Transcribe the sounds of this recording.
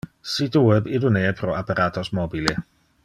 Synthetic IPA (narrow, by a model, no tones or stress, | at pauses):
situɛbɪduneːɛpʰɾɔapaɾʔaːtʰɔsmɔbilɪ